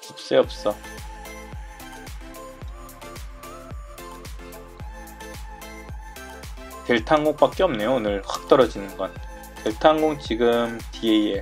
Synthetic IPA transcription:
t͡ɕip̚s͈e̞ʌp̚s͈ʌ | te̞ɭtʰaŋɡoŋp͈ak̚k͈eʌmne̞joonɯɭɸak̚t͈ʌɾʌd͡ʑinɯnɡʌn | te̞ɭtʰaŋɡoŋt͡ɕiɡɯmtieie

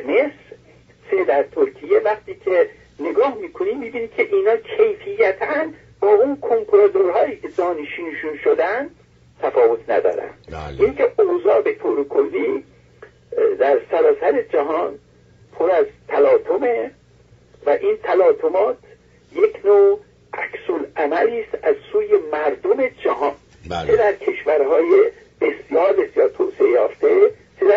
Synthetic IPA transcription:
mesɾ | sed̪æɾt̪ʰoɾkʰijevæχt̪ʰiːcʰe̞ | ne̞ɡɒːhmiːkʰoniːmiːbiːnicʰe̞ʔiːnɒːkʰe̞jfijːæt̪ʰæn | bɒːʔunkʰoŋkʰoɾɑd̪oɾɦɒːjiːkʰe̞zɒːniʃiːnʃunʃod̪ænd̪ | t̪ʰæfɒːvo̞t̪ʰnæ̰d̪ɒ̰ːɾæ̰nd̪̥ʔinkʰeʔozɒːbet̪ʰoɾekʰolːiː | d̪æɾsæɾɒːsæɾed͡ʒæɦɒːn | pʰoɾæzt̪ʰælɒːt̪ʰome̞ | væʔint̪ʰælɒːt̪ʰomɒːt̪ | jekʰnoː | ʔæksolæmæliːst̪æzsuːje̞mæɾd̪ome̞d͡ʒæɦɒːn | t͡ʃʰed̪æɾkʰe̞ʃvæɾhɒːje | b̥e̞sjɒːɾbe̞sjɒːɾt̪ʰoːseʔejɒːft̪e | t͡ʃʰed̪æ

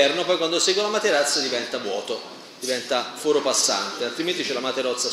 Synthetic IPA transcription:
ɛrnopɔjkwand̪osɛɡwolamat̪eɾat̪sːad̪ivɛnt̪avwɔ̰ːt̪o | d̪ivɛnt̪afoːɾopasːa̰nt̪ealt̪ɾiment̪it͡ʃɛlamat̪eɾɔt̪sːa

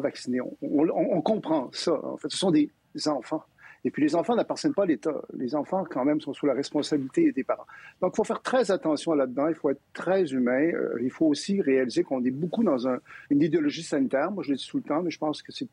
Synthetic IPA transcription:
vaksineɔ̰̃ɔ̃lɔ̃ʔɔ̃kɔ̃pχɑ̃saɑ̰̃fɛt̪sə̥sɔ̃d̪e | zɑ̃fɑ̃ | epɥilezɑ̃fɑ̃napaʁt̪jɛnpalet̪a̰lezɑ̃fɑ̃kɑ̃mɛ̃msɔ̃sulaʁɛspɔ̃sabilit̪ed̪epaʁɑ̰̃d̪̥ɔ̃ki̥lfofɛːʁt̪χɛzat̪ɑ̃sjɔ̃lad̪əd̪ɑ̃ilfoɛt̪χət̪χɛzymɛ̃ø̰ilfoːsiʁealizekɔ̃nɛbokud̪ɑ̃zɛ̃ynid̪eɔlɔʒisanit̪ɛːʁmwaʒəled̪isulət̪ɑ̃mɛʒə̥pɑ̃skəsɛ

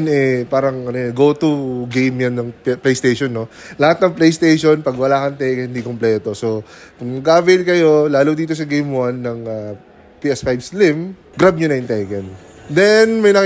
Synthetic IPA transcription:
nɛpaːɾɐŋɐnoɡowt̪uɡejmjɐnːɐŋplejst̪ejʃonːo̞ | lɐhat̪̚nɐŋplejst̪ejʃonpɐɡwɐlaːkɐnt̪ɛjkɛɪnd̪ikomplɛːt̪o̞so | kʊŋɡaːvɛlkɐjo̞laːlod̪iːt̪̬os̬ɐɡejmwanːɐŋa | piʔɛspajbslɪm | ɡɾab̚ɲʊnɐjʊŋt̪ɛjkɛn | d̪ɛnmɐjnɐk

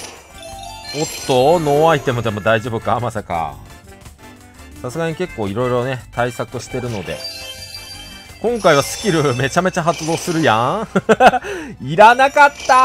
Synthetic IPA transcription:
ot̪ːo̞no̞ːait̪e̞mo̞d̪e̞mo̞d̪aiʑo̞ːbɯ̟kamasaka̰ | sasɨɡaɲ̟ike̞kːo̞ːiɾo̞iɾo̞ne̞t̪aisakɯ̟ɕi̥t̪e̞ɾɯ̟no̞d̪e̞̰ | kõ̞ŋkaiβ̞asɨ̥kʲiɾɯ̟me̞t͡ɕame̞t͡ɕaɦat͡sɨd̪o̞ːsɨɾɯ̟jã | iɾanakat̪ːa

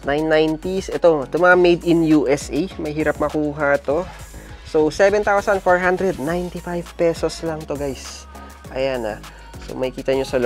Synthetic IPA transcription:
najnːajnt̪isʔɛt̪o̞ɛt̪omɐamejd̪ɪnjuʔɛsʔɛjmɐjɦiːɾɐp̚mɐkuːɦɐt̪o̞ | sowsɛvɛnt̪awsɐnfoɹɦand̪ɾɛd̪̚najnt̪ifajvpɛːsoslɐŋt̪oɡajs | ʔɐjana̰ | so̰mɐhɪkiːt̪ɐɲosɐl

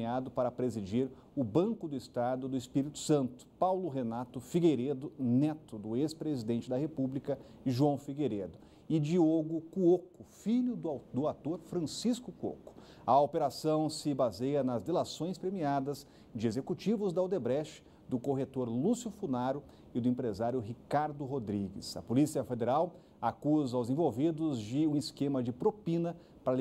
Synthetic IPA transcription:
ad̪ʊpaɾɐpɾezid͡ʒiɾ | ʊbɐ̃ŋkʊd̪ʊist̪ad̪ʊd̪ʊispiɾit̪ʊ̥sɐ̃nt̪ʊ̥pawlʊɦenat̪ʊfiɡeɾed̪ʊnɛt̪ʊd̪ʊespɾezid̪ẽnt͡ʃɪd̪ɐɦepublikɐ | ʒuɐ̃w̃fiɡeɾed̪ʊ | ɪd͡ʒioɡʊkuokʊfilʊd̪d̪ʊat̪oɾfɾɐ̃siskʊkuo̰kʊ̥ | ɐopeɾasɐ̃w̃sɪbazejɐnɐzd̪elasõj̃spɾemiad̪ɐz | d͡ʒɪezekut͡ʃivʊzd̪ɐwd̪ebɾɛʃ | d̪ʊkoɦet̪oɾlusjʊfunaɾʊ | ɪd̪ʊẽpɾezaɾjʊɦikaɾd̪ʊɦod̪ɾiɡɪ̰sɐ̰polisiɐfed̪eɾaw | akuzɐawzẽvowvid̪ʊzd͡ʒɪũiskẽmɐd͡ʒɪpɾopĩnɐ | pɾɐ

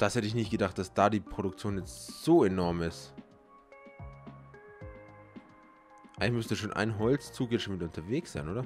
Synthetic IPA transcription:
d̥ashɛtəɪçnɪçt̚ɡ̥ədaχt̚d̥asd̥aːdiːpʁ̥oɾʊkt͡sjoːnjɛt͡stz̥oːenɔɐmɪst | ʔaɪŋlɪçmʏstəduːʃ̬oːnʔa̰ɪnɦɔlt͡st͡suːk̬jɛʃomɪtʊntʰɐveːksz̥aɪnʔoːɾɐ

